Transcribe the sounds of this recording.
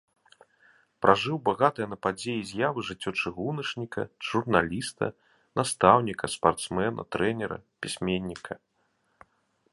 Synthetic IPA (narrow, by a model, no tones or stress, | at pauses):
pɾʔaʐɨwbaɣat̪ɨjɐnɐpad͡zʲejizʲjavɨʐɨt͡sʲːɔt͡ʂɨɣunɐʂnʲikɐ̰ʐ̥urnalʲist̪ɐ̰ | nast̪awnʲikɐspart̪smɛnʔɐ̰t̪ɾɛnʲɛɾɐ̰pʲisʲmʲenʲːikɐ